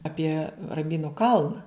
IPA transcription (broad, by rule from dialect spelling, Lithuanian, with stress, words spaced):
ˈɑːpʲiɛ rɐmʲˈbʲiːnʊ ˈkɐlˠnɐ